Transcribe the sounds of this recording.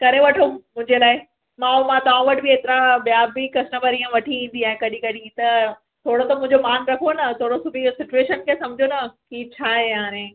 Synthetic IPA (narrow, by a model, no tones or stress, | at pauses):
kɐɾeʋɐʈʰomʊ̃ɦɪ̃ɲd͡ʑelaːɪ | mãmãt̪ɐãʋɐʈbieːt̪ɪɾãbjaːbikɐsnəpɐɾiːãʋɐʈʰiĩːn̆d̪iaːɦẽkɐɗĩkɐɗĩt̪ɐ | t̪ʰoːɽot̪ɐmʊ̃ɪ̃ɲd͡ʑomaːnɾɐkʰonɐt̪ʰoːɽosʊbʱisɪt͡ɕueːʃənkʰesɐ̃md͡ʑʱonɐkit͡ɕʰaːɦeɦaːɾẽː